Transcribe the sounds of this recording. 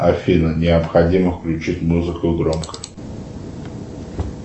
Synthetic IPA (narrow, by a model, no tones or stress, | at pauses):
ɐfʲinənʲɪɐpxɐdʲiməfklʲʉt͡ɕitʲmuzɨkʊɡɾomkə̥